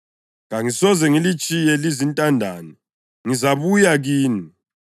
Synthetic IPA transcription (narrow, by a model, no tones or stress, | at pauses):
ŋaŋisɔzɛŋilit͡ʃʼijɛlizintʼandʱaːni | ŋizaβujaɣiːni